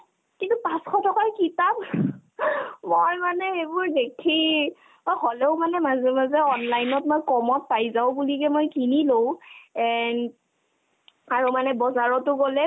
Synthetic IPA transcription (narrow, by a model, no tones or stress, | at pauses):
kintupãsxʰɔtʰɔkajkitap̚ | mojmanɛebʊɹdekʰi | mojholɛʊmanɛmazɛmazɛɔnlajnɔtmojkɔmɔt̚pajzaʊbulikɛmojkinilowɛn | aɹumanɛbɔzaɹɔtʊɡolɛ